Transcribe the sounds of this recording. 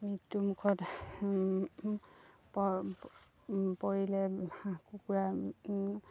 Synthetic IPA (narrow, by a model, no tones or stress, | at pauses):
mitːumukʰɔt | pɔ | pɔɦilɛakukuɹa